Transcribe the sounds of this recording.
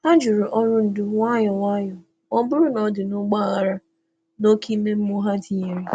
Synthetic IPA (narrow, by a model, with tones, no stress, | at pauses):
a˦d͡ʒʊ˨ɾʊ˨ʔɔ˦ɾʊ˦n̩˨dʊ˦ŋʷa˦jɔ˨ŋʷa˦jɔ˨ | ɔ˦bʊ˦ɾʊ˦nɔ˦dɪ˨nʊ˦ɡ͡ba˦˨ɣa˨ɾa˦ | no˦kʰi˦me˦m̩˦mu˦ɦa˦di˨ɲe˨ɾi˦